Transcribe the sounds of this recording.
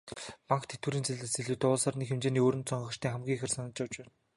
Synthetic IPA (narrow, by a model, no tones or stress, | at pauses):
paŋkt̪ʰet̪wuɘːɾiːnt͡seɮɘ̆seɮɘ̆t̪ʊːɮsaːrnikxemt͡ɕeːniːoːɾɘ̆nt̪t͡sɔɴɢɞ̆t͡ɕt̪ʰiːŋχæmɡʲiːŋxĕrsanə̆t͡ɕawt͡ɕpæːn